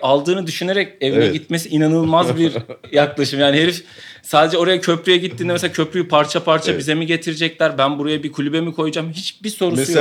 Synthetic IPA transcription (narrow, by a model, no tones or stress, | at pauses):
ʔalˠd̪ɯːnɯd̪yʃyneɾɛce̞vinɛɟit̪̚me̞s̬iinanɯlˠmazbiɾjaklˠaʃɯmjaːniɦeɾif | saːd̪e̞d͡ʒɛo̞ɾajacʰø̞pɾyjɛɟit̪ʰːinɛmeselacʰø̞pɾyjypʰaɾt͡ʃʰapʰaɾt͡ʃʰabize̞miɟe̞t̪ʰiɾed͡ʒɛclʲæɾbænbuɾajabikʰulʲybemikʰo̞jud͡ʒamɦit͡ʃbiso̞ɾuuj